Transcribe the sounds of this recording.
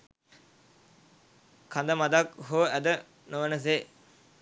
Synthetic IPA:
kʰand̪əmad̪akɦoəʔæd̪ə | noʋənəs̬e

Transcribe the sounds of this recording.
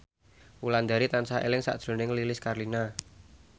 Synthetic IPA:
wuland̪a̤ɾit̪ansaʔḛlɪŋsa̰ʔd̥ʒ̥ɾo̤nɪŋlilɪskarlina

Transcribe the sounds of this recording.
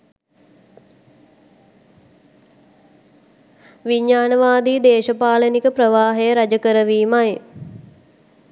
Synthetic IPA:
ʋiɲːaːnəʋaːd̪iːd̪eːʃəpaːlənikəpɾəʋaːɦejəɾad͡ʒəkəɾəʋiːmaj

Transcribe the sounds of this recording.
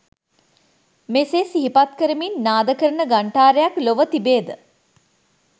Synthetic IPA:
meːseːsiɦipat̪kəɾəminːaːd̪əkəɾənəɡaɳʈaːɾejakloʋət̪ibeːd̪ə

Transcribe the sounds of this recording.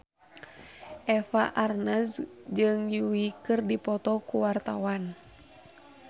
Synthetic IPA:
ʔɛfaʔarnasd͡ʒɨŋjuikɨrdipɔt̪ɔkuwart̪awan

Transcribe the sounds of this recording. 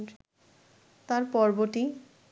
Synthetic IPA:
t̪aɾpɔɾboɾʈi

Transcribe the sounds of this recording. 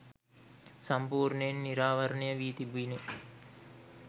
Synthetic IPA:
sɐmpuːɾɳəenːiɾaːʋɐɾənəjəʋiːt̪ibuine

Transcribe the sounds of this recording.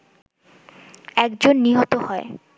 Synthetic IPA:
ɛkd͡ʑonːiɦot̪ohɔe

